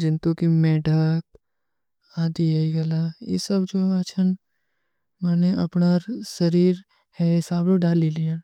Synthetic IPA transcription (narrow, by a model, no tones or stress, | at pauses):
d͡ʒɪnt̪ũkimɛːɖʱək | aːd̪iaiɡɐlajḛsəbd͡ʒoːat͡ʃʰən | mɛːneʔɐ̰pnaɾsɐɾiːɾ | hɛɪsaːbloɖaːlːilija